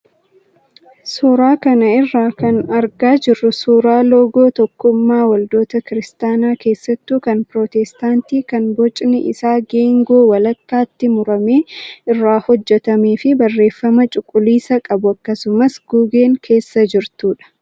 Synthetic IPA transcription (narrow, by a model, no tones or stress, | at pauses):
sɔɾaːkɐnɐɪrːaːkɐnɐɾɡaːd͡ʒɪrːʊsuːɾaːloːɡo̞ːt̪ɔkːʊmːaːwɐld̪o̞ːt̪ɐkɪɾɪst̪aːnaːke̞ːsːɐt̪ːuːkɐnpɾoːt̪ɛst̪aːnt̪iːkɐnbɔt͡ʃʼnɪʔɪ̰saːɡe̞ːŋɡo̞ːwɐlɐkːaːt̪ːɪmʊɾɐme̞ːɪrːaːhɔd͡ʒːɛt̪ɐmeːfɪbɐrːe̞ːfːɐmɐt͡ʃʼʊkʼːʊliːsɐkʼɐbʊɐkːɐsʊmɐsɡ̥uːɡe̞ːŋkʰe̞ːsːɐd͡ʒɪɾt̪uːᶑɐ̥